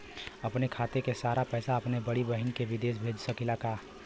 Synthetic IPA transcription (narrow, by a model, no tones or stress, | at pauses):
ɐpnekʰaːt̪ekesaːɾapɛːsaɐpnebɐɽibəɦinkeʋɪd̪eːʃ̬bʱeːd͡ʒsəkilakaː